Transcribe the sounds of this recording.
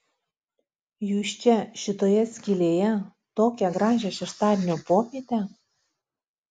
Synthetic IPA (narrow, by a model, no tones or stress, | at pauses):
juʃʲt͡ɕʲæʃɪt̪ojɛsʲkʲilʲejɛ | t̪okʲæɡɾɑʒʲæʃʲɛʃt̪ɑd̪ʲɪnʲopokʲet̪ʲæ